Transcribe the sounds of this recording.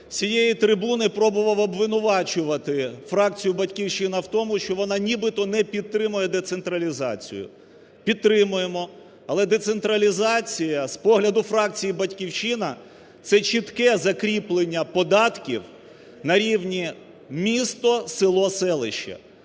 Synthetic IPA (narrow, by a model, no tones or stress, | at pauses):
sʲijejit̪ɾɪbunɪpɾɔbʊʋɐwɔbʋɪnʊʋɑt͡ʃʊʋɐt̪ɪfɾɑk̚t͡sʲijʊbɐtʲkʲiwʃɪnɐwt̪ɔmʊʃt͡ʃɔʋɔnɑnʲibɪt̪ɔnɛpʲid̪̚t̪ɾɪmʊjɛd̪ɛt̪sent̪ɾɐlʲizɑ̰t͡sʲḭjʊ̰ | pʲid̪̚t̪ːɾɪmʊjemɔ | ɐlˠɛd̪et̪sent̪ɾɐlʲizɑt͡sʲijɐspɔɦlʲɐd̪ʊfɾɑk̚t͡sʲijibɐtʲkʲiwʃɪnɐ | t̪sɛt͡ʃit̪kɛzɐkɾʲiplˠenʲːɐpɔd̪ɑt̪kʲiw | nɐɾʲiwnʲi | mʲist̪ɔsɪlˠɔsɛlˠɪʃt͡ʃːɐ̰